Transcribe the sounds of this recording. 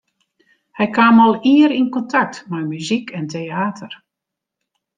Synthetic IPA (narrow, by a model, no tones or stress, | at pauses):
hɛjkaːmɔlˠiəɾinkɔntak̚tmɛjmyzikʰɛnteaːtʰər